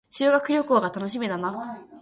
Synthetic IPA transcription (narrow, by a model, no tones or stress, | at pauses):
ɕɨːɡakɯ̟ɾʲo̞koːɡat̪ano̞ɕ̬imʲed̪ana